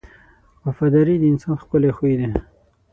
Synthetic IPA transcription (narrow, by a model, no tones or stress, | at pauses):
afad̪aɾid̪əɪnsɑnxpəlexwid̪e